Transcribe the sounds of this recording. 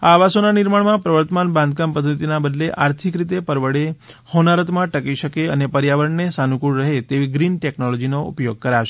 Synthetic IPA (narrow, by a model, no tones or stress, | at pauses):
aːʋasonanɪɾmaɳmãpɾəʋəɾt̪əmanbãnd̪̚kampəd̪ʱət̪inabəd̪leʔaɾt̪ʰikɾit̪epəɾʋəɽe | honaɾət̪mãʈəkiʃəkeənepəɾjaʋəɾəɳnesanukuɽɾəɦet̪eʋiɡɾinʈɛknolɔd͡ʒinoṵpjoɡ̚kəɾaʃe